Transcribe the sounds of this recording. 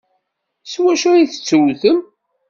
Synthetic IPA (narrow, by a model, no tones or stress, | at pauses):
swæʃæiθə̥t͡sːəwθəm